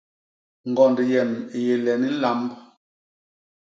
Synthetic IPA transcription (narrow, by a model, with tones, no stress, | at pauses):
ŋ̩˨ɡɔ˨ndjɛ˨me˨je˨lɛ˨ni˦la˨˦mb